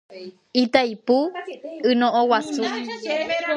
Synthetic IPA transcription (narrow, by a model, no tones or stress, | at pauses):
it̪ajpuɨnõʔowasu